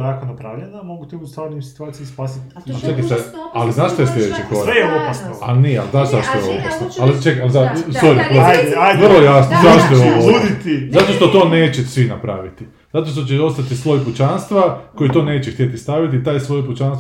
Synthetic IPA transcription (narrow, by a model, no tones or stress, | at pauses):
ɾakonapɾaːʋʎenamo̞ɡut̪iust̪aːɾnimsi̥t̪uaːt̪sijispaːsit̪ | at͡ʃekit̪aaliznaːʃt̪ojes̬lʲed̪et͡ɕekoɾejeopasnoa̰linia̰lznaːʃzaʃt̪ojeopasnoalit͡ʃekaalzasoɾipɾozajʋr̩lˠojasnozaʃt̪ojoouːd̪it̪izat̪o̞ʃt̪o̞t̪o̞ːne̞ːt͡ɕesʋinapɾa̰ːʋit̪i | zat̪o̞ʃt̪ot͡ɕeo̞st̪at̪islˠo̞jput͡ʃanst̪ʋako̞jit̪o̞ːne̞ːt͡ɕext̪jet̪ist̪aʋit̪iːt̪aːjslo̞jput͡ʃanst̪